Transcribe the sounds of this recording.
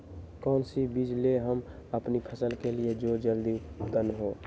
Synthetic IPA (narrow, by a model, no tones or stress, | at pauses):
kɔːnsibid͡ʒleɦəm | əpnipʰəsəlkelied͡ʒod͡ʒəld̪it̪ənɦoː